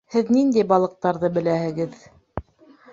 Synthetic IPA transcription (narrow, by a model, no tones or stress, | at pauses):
hɘðnind̪æjbɑlˠɤ̆q̚t̪ɑɾðɤbɘ̆læhɘ̆ɡɘð